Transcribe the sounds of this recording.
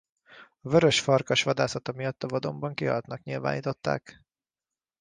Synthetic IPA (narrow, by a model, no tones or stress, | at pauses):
ɒvøɾøʃfɒrkɒʃʋɒd̪aːsɒt̪ɒmijɒt̪ːɒvɒd̪o̞mbɒŋkiɦɒ̰lt̪nɒkɲilva̰ːniːt̪o̞t̪ːa̰ːk